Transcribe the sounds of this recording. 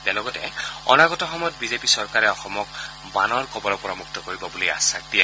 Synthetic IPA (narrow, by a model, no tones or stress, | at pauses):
tɛlɔɡɔtɛɔ̰naɡɔtɔxɔmɔjɔt̚bizepisɔɹkaɹɛɔxɔmɔk | banɔɹkɔbɔlɔpɔɹamuk̚tɔkoɹibɔbulia̰satia